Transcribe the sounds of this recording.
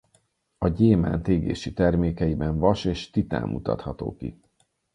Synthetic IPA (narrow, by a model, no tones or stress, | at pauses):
ɒɟeːma̰ːnt̪eːɡḛːʃit̪ɛrmeːkɛjibɛɱvɒʃeːʃt̪it̪a̰ːmːʔut̪ɒ̰t̪hɒt̪o̰ːkḭ